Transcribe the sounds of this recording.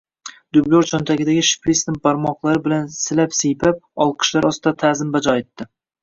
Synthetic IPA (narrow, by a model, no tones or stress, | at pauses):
d̪ʊbloɾt͡ʃʰɒnt̪ʰaɡʲɪd̪aɡʲɪʃɪ̥pɾist̪ɪm̚baɾmɒqlˠaɾɪbɪlansɪlapsejpʰap̚ɒlˠqʰɨ̥ʃlaɾɒst̪ɪd̪at̪ʰazɪmbad͡ʒɒet̪ːɪ